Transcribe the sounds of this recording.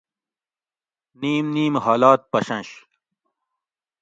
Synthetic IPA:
niːmniːmɦaːlaːt̪̚pɐɕɐ̃nɕ

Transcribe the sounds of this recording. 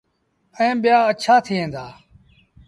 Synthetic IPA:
ẽːɓɪjaːət͡ʃʰaːt̪ʰiːɦẽːnd̪aː

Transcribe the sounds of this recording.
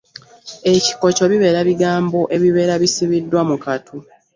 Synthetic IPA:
e̞ci̥ko̞co̞βiβe̞ːɾaβiɡaːmbo̞ʔe̞βiβe̞ːɾaβisiβidːwamukatʰu

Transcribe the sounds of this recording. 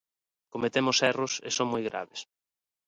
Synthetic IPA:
komet̪emʊsɛrʊsḛsoŋmojɣɾa̰βes

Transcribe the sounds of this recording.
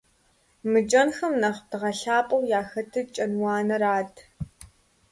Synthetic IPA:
mɨd͡ʒʼɐnxɐmnɐʁdɨʁɐɬaːpʼɐwjaːxɐtʰɨt͡ʃʼɐnwɑːnɐɾaːtʼʰ

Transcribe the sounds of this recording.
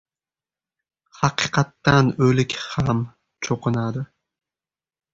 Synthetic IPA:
hɑqʰɨqʰɑt̪ːanɵlɪkʲham | t͡ʃʰoqʰɨnad̪ɪ

